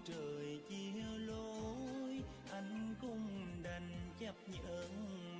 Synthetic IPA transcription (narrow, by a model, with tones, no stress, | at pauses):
t͡ɕəː˨˩jt͡ɕi˧ə˧lo˧j | ʔa˧jŋ̟kʊ˧ŋ͡mɗa˨˧˩ŋ̟t͡ɕə˦˥p̚ɲʔəː˧˦ŋ